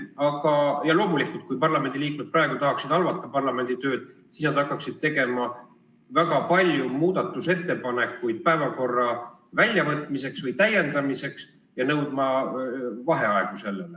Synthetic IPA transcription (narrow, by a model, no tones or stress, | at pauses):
ɑɡɑjɑlo̞ːmulikːˑult̪̚kujpɑrlɑme̞nd̪iliːkmet̪̚prɑeɡ̥ut̪ɑɦɑksid̪ɑlvɑt̪ˑːɑpɑrlɑme̞nd̪it̪ø̞ːd̪̥sisnɑd̪̥ɑkːˑɑksid̪̚t̪e̞ɡe̞mɑ | væɡɑpɑlʲjumuːd̪̥ɑt̪ːˑuse̞t̪ːe̞pɑne̞kːujd̪̥̚pæevɑko̞rːɑ | vælʲjɑvɤt̪ːˑmise̞ksvɤjt̪æje̞nd̪ɑmise̞ks | jɑnɤwd̪̥mɑ | vɑɦe̞ɑe̞ɡ̥use̞lːele